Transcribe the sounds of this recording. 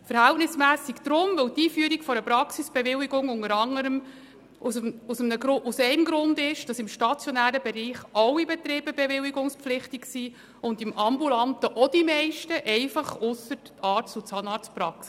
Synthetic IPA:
fəɾhæltnɪsmæːsikd̥̪ɾʊmʋɵwtiːfyəɾikfɔɾəpɾɑksisb̥evɪliɡʊŋʊŋəɾɑŋːəɾəm | ususəmnəɡɾʊʔusɛɪmɡɾʊndɪʃd̥ɑsɪmʃtɑt͡sjɔnæːɾəbɛɾiːχɑwibɛt̪ɾɪːb̥əbɛvɪwiɡʊŋspflɪχtiksi | ʊndɪmʔɑmbulɑntəʔɔd̥imɛɪʃtəʔɛɪfɑχʊsət | ɑːɾtsut͡sɑːnɑːspɾɑks

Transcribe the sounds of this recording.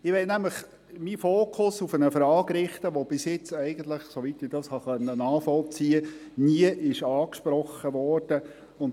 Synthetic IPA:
ɪʋɛnæmləχ | mifoːkʰʊsufənəfɾɑːɡɾɪχt̪əʋob̥ɪsjɪt͡sɛɪɡən̩t̪ləχsoʋit̪ɪd̥ɑshɑχœnːənɑːχfɔlt͡siːəniəʔɪʃɑːkʃpɾɔχːəʋɔɾd̥ə | ʊn

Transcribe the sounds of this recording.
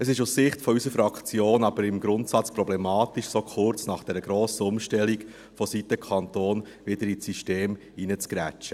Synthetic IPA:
əsɪʃussɪχtfɔysəfɾɑkt͡sjoːnɑb̥əɾɪmɡɾʊntsɑt͡spɾɔblɛmɑːt̪iʃsokʰʊɾt͡snɑχd̥ɛɾəɡɾoːsəʊmʃtɛliɡ | fɔsit̪əkʰɑnt̪oːn | ʋɪd̥əɾisiʃteːm | inət͡skɾæt͡ʃə

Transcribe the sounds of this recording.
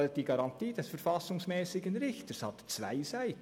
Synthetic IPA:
lt̚d̥iːɡɑɾɑntiːd̥ɛsfəɾfɑsʊŋsmɛːsɪɡənɾɪçtəshɑt̪t͡sva̰ɪsaɪ

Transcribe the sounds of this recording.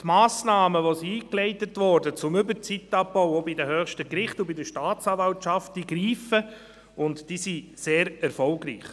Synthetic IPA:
t̪maːsnɑːməʋosiiːklɛɪtətʋɔːɾdət͡sʊmʏbəɾt͡sitːɑbbɔwobɪdəɦœːχʃtəkɾɪχtubɪdəʃtaːtt͡sɑːvɑltʃɑftd̥iɡɾiːfə | ʊntd̥isi | seːɾɛɾfɔlɡɾḭːχ

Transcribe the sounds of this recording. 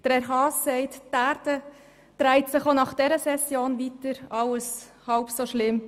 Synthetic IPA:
d̥əɾɛɾɦɑːsːɛɪttæːɾdə | d̪̥ɾæɪtsɪχonɑχd̥ɛɾəsɛsjoːnvitəɾɑwəs | hɑʊpsoʃlɪm

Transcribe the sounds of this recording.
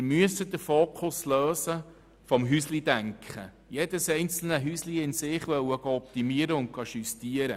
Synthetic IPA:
ɪɾmyəsəd̪əfoːkʰʊsløːsə | fɔmɦyslid̪æŋkχə̰ | jɛd̥əsɛjnt͡sl̩nəɦysliɪnsɪχʋœwəɡɑɔp̚t̪imiəɾəʊnt̚ɡ̥ɑʃyst̪iəɾə̰

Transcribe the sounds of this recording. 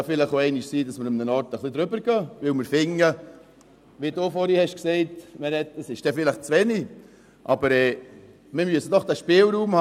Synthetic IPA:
ɑfɪləχoɛɪnɪʃsiːdɑsməɾʊmnənɑɾtəχlid̪ɾʏbəɾɡ̥œːʋɪwməɾfɪŋːə | ʋidoːfɔɾihɛʃksɛɪtmɛɾɛtəsɪʃd̥ɛfɪləχt͡sʋɛni | ʔɑbəɾɛː | mɪɾmyəsədɔχd̥æʃpɪːlɾuːmhɑ

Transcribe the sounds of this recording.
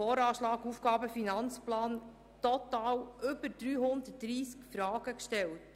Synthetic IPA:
ɔːɾɑːʃlɑːɡufɡ̥ɑːbəfinɑnt͡splɑːn | tɔtɑːwʏbəɾd̥ɾyːɦʊnd̪ətd̥ɾiːskfɾɑːɡ̥əkʃtɛlt

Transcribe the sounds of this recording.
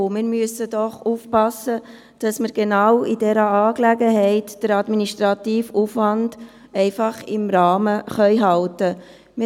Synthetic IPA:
mɪɾmyəsədɔχufpɑsːə | d̥ɑsməɾɡ̥enɑwidɛɾəɑːklæɡəɦɛɪtd̥əɾɑdminiʃtɾɑtiːfufʋɑnd | ɛɪfɑχɪmɾɑːməχœʏɦɑltə | m

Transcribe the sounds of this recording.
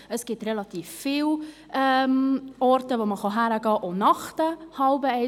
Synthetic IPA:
əsɡ̥ɪtrelɑtiːfːiːw | ʔɛmɔɾtəvoːməχɑɦæɾəɡɑːʔonɑχtəhɑlbəɛ

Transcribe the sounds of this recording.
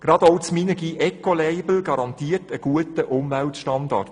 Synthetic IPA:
ɡ̥ɾɑdowt͡sminəɡiʔɛkoleɪbl̩ɡɑɾɑnt̪iːətəɡ̥uətəʔʊmvæltʃtɑnd̪ɑ̰t

